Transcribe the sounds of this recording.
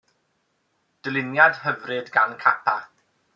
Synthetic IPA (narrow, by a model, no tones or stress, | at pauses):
d̥əlˠɪnjad̥həvrɨdɡankʰapʰa